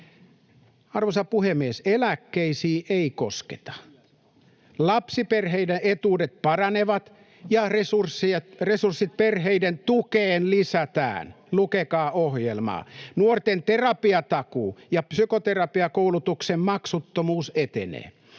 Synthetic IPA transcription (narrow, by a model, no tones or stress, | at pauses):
ɑrʋosɑpuhemːieselækːeisiːʔeiko̰ske̥̰t̪ɑ̥ | lɑpsiperɦeideʔet̪uːdet̪̚pɑrɑneʋɑt̪ | jɑresursːieresursːit̪̚perɦeident̪ukeːnlisæt̪æ̰ːn | lukekɑːʔohjelmɑ̰ːnuort̪ent̪erɑpiɑt̪ɑkuːjɑpsykot̪erɑpiɑkoulut̪uksemmɑksut̪ːomuːset̪ḛnḛː